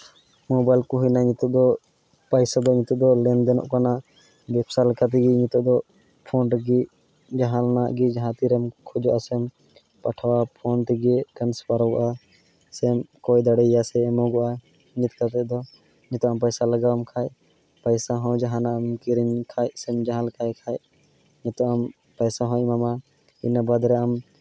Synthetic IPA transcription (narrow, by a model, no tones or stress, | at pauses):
mɔbajlkuɦujnaɲit̪ɔd̪ɔ | pajsad̪ɔɲit̪ɔd̪ɔlɛnd̪ɛnɔ̰ʔkana | bɛpsalkat̪̬iɡiɲit̪ɔd̪ɔ | pʰɔnʈɡi | d͡ʒaɦãlanaʔɡid͡ʒaɦãt̪iɾɛmkʰɔd͡ʒɔʔasɛm | paʈʰwapʰɔnʈ̪iɡɛkanspaɾɔɡɔʔa | sɛmkɔjd̪aɽɛjasɛːmɔɡɔʔa | ɲit̪kat̪ɛd̪ɔ | ɲit̪ɔampəjsaləɡamkʰaːj | pəjsaɦɔ̃d͡ʒaɦãnaʔmkiɾinkʰajsɛmd͡ʒaɦãlkʰajkʰaj | ɲit̪ɔam | pəjsaɦɔ̃imama | ḭnabad̪ɾɛam